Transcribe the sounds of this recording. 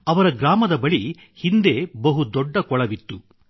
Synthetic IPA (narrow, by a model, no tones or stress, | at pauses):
ɐʋɐɾɐɡɾaːmɐd̪ɐbɐɭi | hind̪e̞ːbɐɦud̪ɔɖːɐkɔɭɐʋit̪ːu